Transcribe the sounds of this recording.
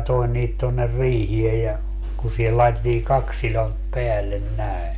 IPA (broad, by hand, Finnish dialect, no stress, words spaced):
toen niːt tonːer riːhiej jɑ ku sihel lɑetetːiː kɑks silont peælːen næe